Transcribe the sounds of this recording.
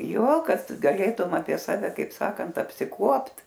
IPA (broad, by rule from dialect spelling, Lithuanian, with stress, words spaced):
ˈjoː ˈkɐt ɡɐˈlʲeːtʊm ɐpʲiɛ ˈsɑːʋʲɛ ˈkɐɪp ˈsɑːkɐnt ɐpʲsʲɪˈkuɔpt